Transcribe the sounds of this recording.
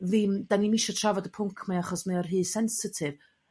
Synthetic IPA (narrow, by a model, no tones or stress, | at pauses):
vɪmd̥animiʃɔtʰravɔdəpʰʊŋkʰmaaχɔsmiɔrɦɨːsɛnsɪtʰɪv